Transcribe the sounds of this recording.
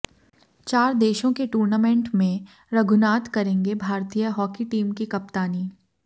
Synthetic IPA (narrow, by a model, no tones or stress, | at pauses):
t͡ʃaːɾd̪eːʃõkeʈuːɾnamẽɳʈmẽ | ɾɐɡʱʊnaːt̪kɐɾẽːŋɡebʱaːɾt̪ijəɦɔːkiʈiːmkikɐp̚t̪aːniː